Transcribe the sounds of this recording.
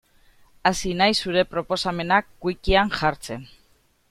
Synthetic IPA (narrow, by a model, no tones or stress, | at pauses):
asinajsːuɾe̞pɾo̞po̞same̞nakːujkianʝaɾt͡se̞n